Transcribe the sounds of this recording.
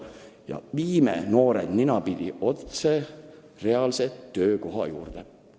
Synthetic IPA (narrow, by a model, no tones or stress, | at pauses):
jɑ̰viːmḛno̞ːɾḛd̪̥ninɑpid̪̥ʲiʔo̞t̪se | re̞ɑlset̪ːø̞ːko̞ɦɑ̰juːrd̪̥e